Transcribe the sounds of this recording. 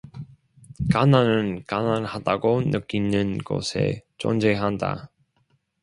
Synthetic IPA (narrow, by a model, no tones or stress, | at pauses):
kananɯnkananhadaɡonɯk͈inɯnɡo̰sʰe̞̰t͡ɕo̰nd͡ʑeɦanda̰